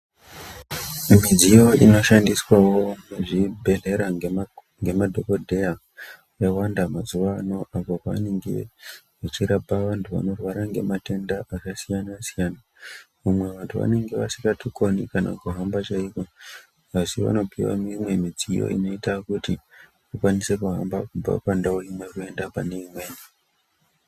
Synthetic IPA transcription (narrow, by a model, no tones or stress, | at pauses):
mid͡zijo̞ino̞ʃandiswawomuneʐibʱe̞ɮe̞ɾa | ŋɡe̞madʱo̞ko̞dʱe̞ja | jawandamazuʋano̞ʔakokaʋa̰ne̞ŋɡe̞̰ | ʋat͡ʃiɾabʱaʋantʰuʋa̰no̞rwaɾaŋɡe̞mate̞ndaʔakasijanasijaːna | umwe̞ʋantʰuʋa̰ne̞ŋɡe̞ʋasikɡatuko̞nikana̰kuɦambat͡ʃaiko̞ | asiʋa̰no̞piwa̰mimwe̞mid͡zijo̰ḭno̞itakuti | kukwanise̞kuɦa̰mbakub͡va̰pandauimwe̞rue̞ndapane̞imweːni